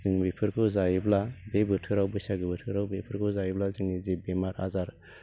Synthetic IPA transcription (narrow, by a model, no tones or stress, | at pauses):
zɯŋbepʰɯɾkʰuzajiblabebɯtʰɯɾawbɯsaɡɯbɯtʰɯɾawbepʰɯɾkʰuzajiblazɯŋnizebemaɾa̰zaɾ